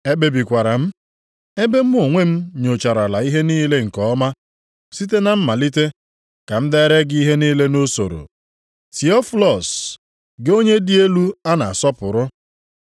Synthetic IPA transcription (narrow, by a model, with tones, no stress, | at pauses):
e˦be˨bi˨kʷa˨ɾa˨m̩˦ | e˦be˦m̩˦o˨ŋʷe˦m̩˦ɲo˨t͡ʃa˨ɾa˨la˨i˦ɦe˦niː˦le˦ŋ̩˨kɔ˦ma˦ | si˦t̬e˦na˨m̩˦ma˨li˦te˦ | ka˨m̩˦de˦ɾe˦ɡi˦ɦe˦niː˦le˦no˦so̰˨ɾo̰˨ | ti˨ɔ˦fu˦lɔ˨s | ɡo˦ɲe˦di˦e˦lu˦a˦na˨a˨sɔ˦pʊ˨ɾʊ˦